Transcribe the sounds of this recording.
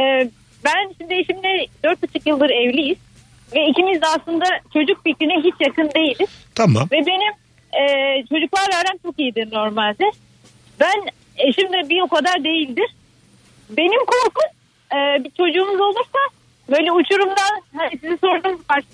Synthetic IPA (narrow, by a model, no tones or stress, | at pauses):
ɛː | bænʃimd̪ieʃimd̪ɛd̪øɾt̪̚at͡ʃʰɯkjɯlˠd̪ɯɾɛvlʲijiz̥ | vɛicʰimizd̪ɛaslˠɯnd̪at͡ʃʰo̞d͡ʒuk̚ficʲɾiniɦit͡ʃjakɯnd̪e̞jilʲd̪i̥t̪ʰama̰mvɛbe̞nim | ɛːt͡ʃʰo̞d͡ʒuklˠaɾvæɾɾænt͡ʃʰo̞kijid̪ino̞ɾmalʲd̪ɛ | bæn | eʃimd̪ɛbio̞kad̪aɾd̪e̞jilʲd̪ɪɾ̥ | be̞nimkʰo̞ɾkum | ɯːbit͡ʃʰo̞d͡ʒuːmuzo̞lˠuɾsa | bø̞jlʲɛut͡ʃʰuɾumd̪anhanisiziso̞ɾd̪ɯmzkaɾʃ